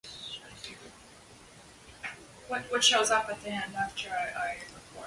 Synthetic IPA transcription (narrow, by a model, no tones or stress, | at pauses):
wʌt̚wʌtʃoʊzʌpɨt̪̚ðiɛ̃ndæftʰə˞aɪʔaɪ